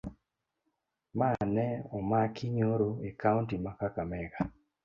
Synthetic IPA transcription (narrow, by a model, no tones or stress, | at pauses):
manɛɔmakʰɪɲoɾoekauntimakakamɛɡa